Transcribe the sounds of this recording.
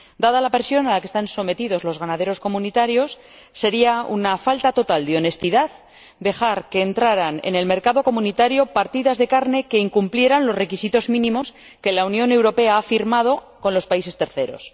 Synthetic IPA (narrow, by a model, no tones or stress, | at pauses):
d̪aðalapeɾsjo̞nalakest̪anso̞me̞t̪iðo̞zlo̞zɣanað̞e̞ɾo̞sko̞mũnit̪aɾjo̞sː | e̞ɾiaṵnafalt̪at̪o̞t̪ald̪eo̞ne̞st̪iðað | d̪e̞xaɾke̞ːnt̪ɾaɾanḛne̞lme̞ɾkaðo̞ko̞munit̪aɾjo̞paɾt̪iðazðe̞kaɾne̞ke̞iŋkumplje̞ɾanlo̞sre̞kisit̪o̞zmĩnĩmo̞s | ke̞launjõ̞ne̞wɾo̞pe̞aafiɾmað̞o̞ | ko̞nlo̞spaise̞st̪e̞ɾθe̞ɾo̞̰s